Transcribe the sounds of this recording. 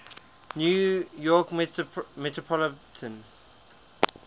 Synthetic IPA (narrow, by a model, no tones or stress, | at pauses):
njujɔkmmɛtʰɹɔpʰɔlətʰə̃n